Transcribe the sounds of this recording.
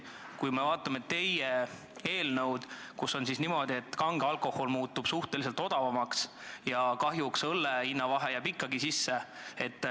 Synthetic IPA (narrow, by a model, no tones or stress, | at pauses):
kujme̞vɑːt̪ːˑɑmet̪e̞je | e̞ːlnɤwd̪̥ | kusːo̞nsisnimo̞d̪̥ʲie̞t̪ːˑkɑŋɡ̥eɑlko̞ho̞lmuːt̪ːub̥suht̪elise̞lt̪ˑo̞d̪̥ɑvɑmɑksjɑkɑɦjuksɤlːeinːɑvɑɦejæpikːɑɡisisːe̞et̪ːˑ